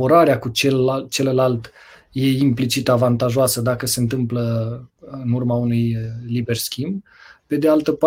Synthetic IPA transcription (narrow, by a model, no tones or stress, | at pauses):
oɾaɾeakut͡ʃelt͡ʃe̞ləlalt̪ | je̞implit͡ʃit̪avant̪aʒoasəd̪akəse̞ɨnt̪̬ɨmplə | ɨnurmaunujlibe̞rskʲimb | pe̞d̪ealt̪əpa